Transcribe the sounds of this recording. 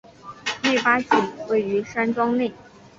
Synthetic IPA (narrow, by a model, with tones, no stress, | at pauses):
ne˥˩ɪpa˥ɕi˥˩ŋwe˥˩ɪy˧˥ʂa˥nʈ͡ʂwɑ˥ŋne˥˩ɪ